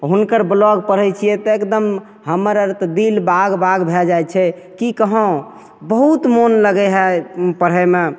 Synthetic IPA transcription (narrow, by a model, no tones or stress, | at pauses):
ɦunkəɾblɔɡpəɾ̤ət͡ʃʰijɛt̪ɔekd̪əm | ɦəməɾəɾt̪d̪ilbaɡbaɡbʱɛd͡ʒajt͡ʃʰɛ | kikəɦɔ̃ | bəɦut̪monləɡɛɦɛpəɾ̤ɦəme